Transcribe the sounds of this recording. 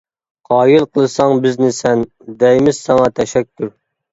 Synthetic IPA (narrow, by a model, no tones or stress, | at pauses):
qʰɑːjɨlˠqʰəlˠɨsɑŋbɪznɪsɛn | d̪ɛjmɪz̥sɑŋɑt̪ʰɛʃɛkʲʰːyɾ